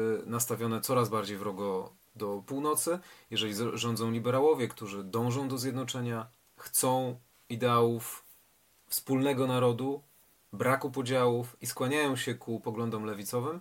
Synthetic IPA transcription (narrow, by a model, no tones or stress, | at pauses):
nast̪avʲjɔnɛt̪sɔɾazbaɾd͡ʑejvɾɔɡɔ | d̪ɔpuwnɔt̪sɘjɛʐɛlʲiʐɔnd̪zɔ̃w̃lʲibɛɾawɔvʲjɛkt̪uʐɘd̪ɔ̃w̃ʐɔ̃w̃d̪ɔzʲjɛd̪nɔt͡ʂɛɲa | xt̪sɔ̃w̃ | id̪ɛawuf | fspulnɛɡɔnaɾɔd̪u | bɾakupɔd͡ʑawufiskwaɲajɔ̃w̃ɕɛkupɔɡlɔnd̪ɔmlɛvʲit̪sɔvɘm